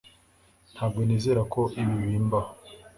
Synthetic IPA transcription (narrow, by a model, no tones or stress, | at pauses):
n̥haːb̚ɡo̞niːze̞ːɾakʰo̞iβiβiːmbaho